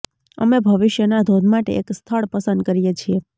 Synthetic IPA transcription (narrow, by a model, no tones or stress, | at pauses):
ə̰mebʱəʋɪʃjənad̪ʱod̪ʱmaʈḛekst̪ʰəɭpəsə̃nd̪̚kəɾijet͡ʃʰie